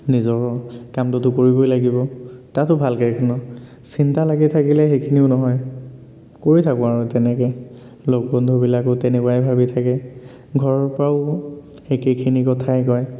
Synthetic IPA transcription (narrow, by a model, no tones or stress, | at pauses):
nizɔkɔkamtʊtʊkoɹibojlaɡibɔtatʊbʱalkekʰɔnɔ | sintalaɡitʰakilɛxekʰiniʊnɔɦɔj | koɹitʰakʊ̃aɹɔtɛnɛkɛ | lok̚bɔndʱubilakʊtɛnɛkuwajbʱabitʰakɛ | ɡʱɔɹɔɹpɹaʊ | ekekʰinikɔtʰajkɔj